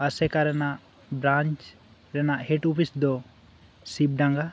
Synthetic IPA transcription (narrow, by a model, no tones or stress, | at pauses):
əsɛkaɾɛnaʔ | bɾãnt͡ʃ | ɾɛnaʔɦeʈupʰisd̪ɔ | sib̚ɖãŋɡa